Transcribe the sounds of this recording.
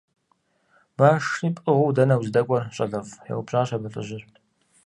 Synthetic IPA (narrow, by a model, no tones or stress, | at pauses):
baːʂiːpʼɨʁʷʊwdɐnɐwzɨdɐkʷʼɔrɕʼɐɮɐfjɛ̰wʊbɕʼaːɕɐbɐɬʼɨ̰ʑɪɕtʰ